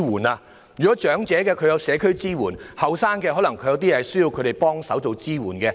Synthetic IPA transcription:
wuː˨˩naː˧ | jyː˨˩kɔ˨˥t͡ʃœː˨˥ŋt͡sɛː˨˥kɛː˧kʰɵ˧jɐ˨˧wsɛː˨˧kʰɵ˥ɥt͡siː˥wuː˨˩nhɐ˨wsaː˥nkɛː˧hɔː˨˥lɐ˨˩ŋkʰjɐ˨˧wt̪iː˥ɛ˧hɐ˨jsɵ˥ɥji˧wkʰɵ˨˧ɥɾe˨jpɔː˥ŋsɐ˨˥wt͡so˨wt͡siː˥wuː˨˩nkɛː˧

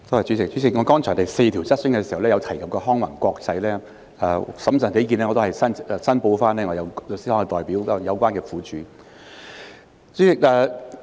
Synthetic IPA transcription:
t̪o˥whɐ˨jt͡ʃy˨˥t͡sɪ˨k̚t͡ʃy˨˥t͡sɪ˨k̚ŋɔ˨˧kɔː˥ŋt͡ʃʰɔː˨˩nt̪ɐ˨jse˧t̪ʰi˨˩wt͡sɐ˥t̚sɪ˥ŋkɛː˧s̬i˨hɐ˨˩wlɛː˥jɐ˨˧wt̪ʰɐ˨˩jkɐ˨p̚kɔː˧ɦɔː˥ŋwɐ˨˩ŋkʷɔː˧k̚t͡sɐ˧jlɛː˥ | aː˧˩sɐ˨˥msɐː˨˩nt̪e˨˥k̬iː˨˧nlɛː˥ŋɔ˧to˥hɐ˨jsɐ˥nː˨˧sɐ˥npo˧wfaː˥nɛː˥ŋɔ˨˧jɐ˨˧wo˨˧si˥hɔː˨˥kɛ˧t̪ɔː˨˩jpiː˨˥wjɐ˨˧wkʷaː˥nkɛː˧fuː˨˥t͡ʃyː˨˥ | t͡ʃyː˨˥t͡sɪ˨˩k̚ɛː˧

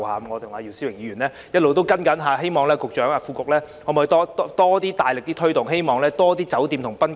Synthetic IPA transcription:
ha̰ː˨˧mŋɔː˨˧t̪ʰʊ˨˩ŋaː˧ji˧wsi˥wɪ˨˩ŋjiː˨˧ɥyː˨˩nlɛː˥ | jɐ˥t̚lo˨wt̪o˥wkɐ˥nkɐ˨˥nɦaː˨˧ɦe˥jmɔː˨ŋlɛː˥kʊ˨k̚t͡ʃœː˨˥ŋaː˧fu˧kʊ˨k̚lɛː˥ | ɔ˨˧˥m˨˧t̪ɔː˥t̪ɔ˥t̪ɔː˥t̪iː˥t̪aː˨jlɪ˨k̚t̪iː˥t̪ʰɵ˥jt̪ʊ˨ŋɦe˥jmɔː˨˩ŋlɛː˥t̪ɔː˥t̪iː˥t͡sɐ˨˥wt̪iː˧mt̪ʰʊ˨˩ŋpɐ˥n

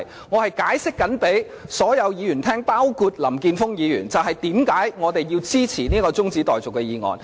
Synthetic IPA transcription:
ŋɔː˨˧hɐ˨jkaː˨˥jsɪ˥kːɐ˨˥npe˨˥j | sɔː˨˥jɐ˨˧wjiː˨˧jyː˨˩nt̪ʰɛː˥ŋpaː˥wkʰu˧t̚lɐ˨˩mkiː˧nfʊ˥ŋjiː˨˧jy̰ː˨˩nt͡sɐ˨wɦɐ˨˩jt̪iː˨˥mkaː˨˥jŋɔː˨˧t̪e˨jːiː˧wt͡siː˥t͡sʰiː˨˩niː˥kɔː˧t͡sʊ˥ŋt͡siː˨˥t̪ɔː˨jt͡sʊ˨kːɛ˧jiː˨˧ŋɔ̰ː˨˩n

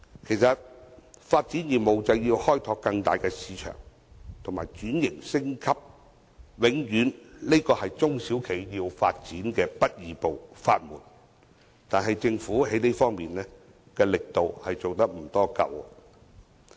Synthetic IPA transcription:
kʰe˨˩jsɐ˨t̚faː˧t̚t͡siː˨˥njiː˨˩nmo˨wt͡sɐ˨wjiː˧whɔː˥jt̪ʰɔː˧kːɐ˧ŋt̪aː˨jkɛː˧siː˨˧t͡ʃʰœ̰ː˨˩ŋ | t̪ʰʊ˨˩ŋmaː˨˩jt͡ʃyː˨˥njɪ˨˩ŋsɪ˥ŋkʰɐ˥p̚ | wɪ˨˥ŋjyː˨˥nle˥jkɔː˧hɐ˨jt͡sʊ˥ŋsiː˨˥wkʰe˨˩jjiː˧wfaː˧t̚t͡siː˨˥nkɛː˧pɐ˥t̚jiː˨˧po˨wfa̰ː˧t̚muː˨˩n | t̪aː˨nɦɐ˨jt͡sɪ˧ŋfuː˨˥ɦe˨˥jne˥jfɔː˥ŋmiː˨nlɛː˥ | kɛː˧lɪ˨k̚t̪o˨whɐ˨jt͡so˨wt̪ɐ˥k̚m̩˨˩t̪ɔː˥kɐ̰˨w̰

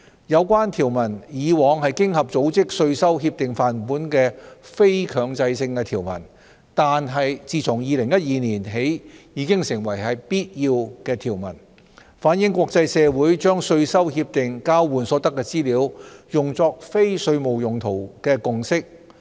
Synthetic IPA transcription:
jɐ˨˧wkʷaː˥nt̪ʰiː˨˩wmɐ˨˩njiː˨˧wɔː˨˧ŋɦɐ˨jkɪ˥ŋhɐ˨p̚t͡so˨˥wt͡sɪ˥k̚sɵ˧ɥsɐ˥wɦiː˧p̚t̪ɪ˨ŋfaː˨˩npuː˨˥nkɛː˧fe˥jkʰœː˨˧ŋt͡sɐ˧jsɪ˧ŋkɛː˧t̪ʰiː˨˩wmɐ̰˨˩n | t̪aː˨nɦɐ˨jt͡siː˨˧t͡sʰʊ˨˩ŋjiː˨˧lɪ˨˩ŋjɐ˥t̚jiː˨˧niː˨˩nɦe˨˥jjiː˨˧kɪ˥ŋsɪ˨˩ŋwɐ˨˩jɦɐ˨jpiː˥t̚jiː˧wkɛː˧t̪ʰiː˨˩wmɐ̰˨˩n | faː˨˥njɪ˨˧˥ŋkʷwɔː˧k̚t͡sɐ˧jsɛː˨˧wuː˨˥jt͡ʃœː˥ŋsɵ˧ɥsɐ˥whiː˧p̚t̪ɪ˨ŋkaː˥wwuː˨˩nsɔː˨˥t̪ɐ˥kːɛː˧t͡siː˥liː˨˥wjʊ˨ŋt͡sɔː˧k̚fe˥jsɵ˧ɥmo˨wjʊ˨ŋt̪ʰo˨˩wkɛː˧kʊ˨ŋsɪ˥k̚

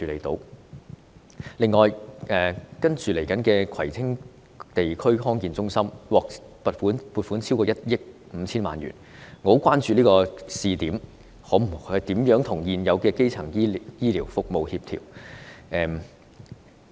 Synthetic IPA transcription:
yː˨˧lḛ˨˩jt̪o̰˨˥w | lɪ˨ŋːɔː˨jʔɛː˨kɐ˥nt͡ʃyː˨˧le˨˩jkɐ˨˥nkɛː˧kʰɐ˨˩jt͡sʰɪ˥ŋ | t̪e˨jkʰɵ˥ɥɦɔː˥ŋkiː˨˧nt͡sʊ˥ŋsɐ˥mwɔː˨k̚pɐ˨t̚fuː˨˥npuː˨˧t̚fuː˨˥nt͡sʰi˥wkɔː˧jɐ˥t̚jɪ˥k̚ | m̩ː˨˧˦t͡sʰiː˥nma̰ː˨nɥy̰ː˨˩n | ŋo˨˥wkwaː˥nt͡ʃyː˨˧liː˥kɔː˧siː˨˧t̪iː˨˥m | hɔː˨˥m̩˨˩˨t̪iː˨˥mjœː˨˥ŋt̪ʰʊ˨˩ŋjiː˨˩njɐ˨˧wkɛː˧ke˥jt͡sʰɐ˨˩ŋji˥jiː˥liː˨˩wfʊ˨k̚mo˨whiː˧p̚t̪ʰḭ˨˩wʔɛː˨˧m

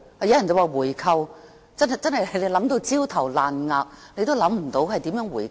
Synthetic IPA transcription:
aː˨jɐ˨˥wjɐ˨˩nt͡sɐ˨˩waː˨˧wuː˨˩jkʰɐ˧w | t͡sɐ˥n˨jt͡sɐ˥nhɐ˨jle˨˧jlɐ˨˥mt̪o˧wt͡siː˥wt̪ʰɐ˨˩wlaː˨nŋaː˧k̚le˧jt̪̬o˥wlɐ˨˥mm̩˨˩t̪o˨˧˥wɦɐ˨jt̪iː˨˥mjœː˨˥ŋwuː˨˩j

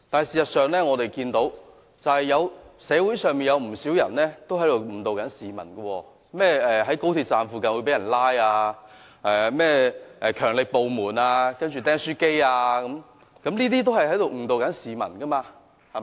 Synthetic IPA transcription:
t̪aː˨nhjsiː˨sɐ˨t̚sœː˨ŋlɛː˥ŋɔː˨˧t̪e˨jkiː˧nt̪o˨˥w | t͡sɐ˨whɐ˨jːɐ˨˧wsɛː˨˧wu˨˥jsœː˨ŋmiː˨njɐ˨˧wm̩˨˩siː˨˥wjɐ˨˩nlɛː˥t̪o˥whɐ˨˥jt̪o˨˩w̩˨˩t̪o˨˧wkɐ˨˥nsiː˨˩mɐ̰˨˩nkɐ˧wɔː˧ | mɛː˥˩ɛː˨ɦɐ˨˥jko˥wt̪ʰiː˧t̚t͡saː˨˧nfuː˨˧kɐ˨nwu˨˧pe˨˥jɐ˨˩nlaː˥jaː˧ | ɛː˨˩mɛː˥ʔɛː˨kʰœː˨˩ŋlɪ˨˩k̚po˨wmuː˨˩naː˧kɐ˥nt͡ʃyː˨t̪ɛː˥ŋsyː˥ke˥jaː˧kɐ˨˥m | kɐ˨˥mniː˥t̪iː˥t̪o˥whɐ˨jɦɐ˨˥jt̪o˨wŋ̩˨˩t̪o˨wkɐ˨˥nsiː˨mɐ̰˨˩nkɐ˥maː˧ | h

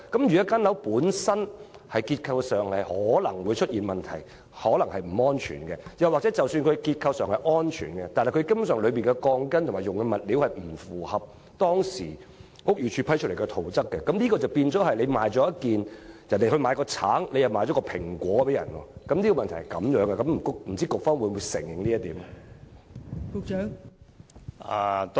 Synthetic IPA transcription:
kɐ˨˥mjy˨˩jɐ˥kaː˥nlɐ˨˥wpuː˨˥nsɐ˥nhɐ˨jkiː˧t̚kʰɐ˧wsœː˨˩ŋhɐ˨jhɔː˨˥lɐ˨˩ŋwu˨˧jt͡ʃʰɵ˥t̚jiː˨nmɐ˨nt̪ʰɐ̰˨˩j | hɔː˨˥lɐ˨˩ŋhɐ˨jm̩˨˩ɔː˥nt͡ʃʰy̰ː˨˩nkɛː˧jɐ˨˩waː˨k̚t͡sɛ˨˦˥t͡sɐ˨wsyː˧nkʰɵ˧kiː˧t̚kʰɐ˧wsœː˨˩ŋhɐ˨jʔɔː˥nt͡ʃʰy̰ː˨˩nkɛ˧t̪aː˨nhjkʰkɐ˥mu˧˥ns̬œː˨˩ŋlɵ˨˧ɥpmiː˨nkɛ˧kɔː˧ŋkɐ˥nt̪ʰmaː˨˩jʊ˨ŋkɛ˧mɐ˨˩t̚liː˨˥whɐ˨jm̩˨˩fuː˨˩hɐ˨p̚ | t̪ɔː˥ŋsḭː˨˩ | ŋʊ˥k̚jyː˨˧t͡ʃʰyː˧pʰɐ˥jt͡ʃ̚ʰle˨˩kɛ˧t̪ʰo˨˩wt͡sɐ˥kːɛ˧kɐ˨˥mniː˥kɔː˧t͡swpiː˧nt͡sɔː˨˥hɐ˨jle˨˧jmaː˨jt͡sɔː˨˥jɐ˥kiː˨njɐ˨˩nd̪e˨jhɵ˧ɥmaː˨˧jkɔː˧t͡sʰaː˨˥ŋle˧jɐ˨˩wmaː˧jt͡ʃɔː˨˦˥kɔ˧pʰɪ̰˨˩ŋkʷwɔː˨˥pe˨˥jɐ˨˩nwɔ̰ː˧kɐ˨˥mnli˥kɔ˧mɐ˨nt̪ʰɐ˨˩hɐ˨˩kɐ̰˨˥mjœː˨˧˥ŋɡɛ˧kɐ˨˦mm̩˨˩kkm̩˨˩t͡siː˥kʊ˨k̚fɔ˥wu˨˧˥muː˨˧jsɪ̰˨˩ŋjɪ˨ŋniː˥jɐ˥t̪iː˨˥m | kʊ˧t͡ʃː | a˨

